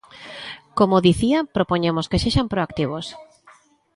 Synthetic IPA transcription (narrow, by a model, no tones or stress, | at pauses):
komoðiθiapɾopoɲemoskeseʃampɾoakt̪iβ̞os